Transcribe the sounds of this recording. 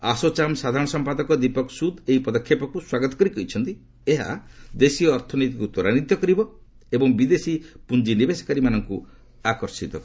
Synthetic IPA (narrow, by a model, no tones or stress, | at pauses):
asot͡ʃamsad̪ʱaɾɔɽ̃ɔsɔmpad̪ɔkɔd̪ipɔksud̪eipɔd̪ɔkʰːjepɔkuswaɡɔt̪ɔkɔɾikɔɦit͡ʃʰɔnt̪i | eɦa̰d̪esijɔːɾt̪ʰɔnit̪ikut̪ɔɾanit̪jɔkɔɾibɔ | ebɔŋbid̪esipund͡ʒinibesɔ̥kaɾimanɔŋku | akɔɾsit̪ɔk